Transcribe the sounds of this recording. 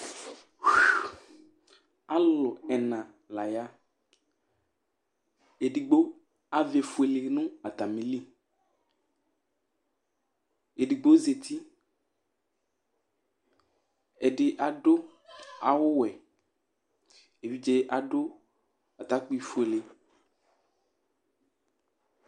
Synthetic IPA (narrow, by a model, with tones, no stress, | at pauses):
a˦lɔ˨ɛ˨nã˨ | la˨ja˦ | e˨ɖi˨ɡ͡bo˦ | a˨ve˨fu˨e˨le˨nũ˦a˨t̪a˨mĩ˨li˦ | e˨ɖi˨ɡ͡bo˦ze˨t̪i˦ | ɛ˨ɖɪ˨ʔa˨ɖo˦ | a˨wʊ˦wɛ˨ | e˨vi˦d͡ʒe˦ʔa˨ɖo˦ | a˨t̪a˦k͡pi˦˨fu˨e˨le˨